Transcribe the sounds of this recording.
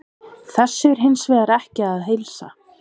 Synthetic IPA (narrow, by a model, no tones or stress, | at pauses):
θɛsːɪɾ̥ɦɪnsvɛːðaɾɛhcɪaðɦejlsa̰